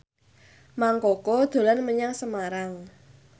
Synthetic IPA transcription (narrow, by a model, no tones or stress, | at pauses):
maŋkokɔd̪̥o̤lanməɲaŋsəmaɾaŋ